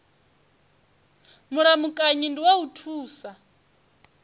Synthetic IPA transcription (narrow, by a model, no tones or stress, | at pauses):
muɾamukʼaɲindiwautʰuːsa